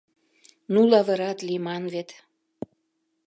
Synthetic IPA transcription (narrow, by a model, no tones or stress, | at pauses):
nulɑvɤɾɑt̪limɑnvet̪